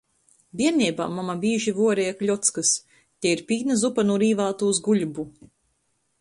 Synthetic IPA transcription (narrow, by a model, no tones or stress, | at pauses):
bʲiɛɾnʲiːba̰ːmːamabʲiːʒivuɔɾɛjklʲɔt̪skɨs | t̪ʲɛiɾpʲiːnɐzupanuɾiːvaːt̪uːzɡuʎʲubu